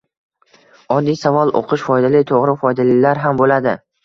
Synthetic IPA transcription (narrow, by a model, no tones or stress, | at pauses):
ɒd̪ːijsavɒlˠʔo̰qʰɨʃfɒjd̪alɪt̪ʰoʁɾɪfɒjd̪alɪlaɾɦambolad̪ɪ